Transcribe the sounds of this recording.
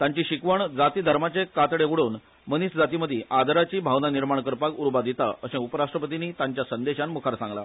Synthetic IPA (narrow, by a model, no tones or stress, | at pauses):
t̪ãɲt͡ɕiːɕikʋəɳd͡zat̪iːd̪ʱəɾmat͡ɕekat̪ɽeuɽuːn | məniːsd͡zat̪iməd̪ʱiʔad̪ʱɾat͡ɕiːbʱaʋnaniɾmaɳkəɾpakuɾbad̪it̪a̰əsẽupəɾaʂʈɾəpət̪iniːt̪aɲt͡ɕjasənd̪eɕanmukʰaɾsãŋɡla̰